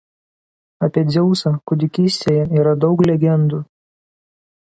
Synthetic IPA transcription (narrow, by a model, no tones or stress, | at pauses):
ɐpʲiɛd̪zʲɛʊsɑkʊd̪ʲɪkʲiːsʲt̪ʲeːjɛiːɾɐd̪ɒʊklʲɛɡʲɛnd̪uː